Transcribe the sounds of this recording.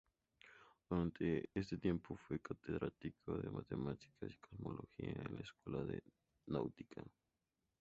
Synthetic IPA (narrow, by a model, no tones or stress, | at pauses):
d̪̥uɾant̪ʰees̬t̪et̪jempofwekat̪eðɾʔat̪ikʰoðemʔat̪emat̪i̥kʰasi̥kʰosmolʔoxiaẽnlaeskwelaðe | nawt̪ikʰa